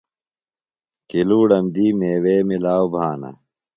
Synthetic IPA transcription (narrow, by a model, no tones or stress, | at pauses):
kiluːɽɐmd̪iːmeːweːmilaːobʱaːnɐ̰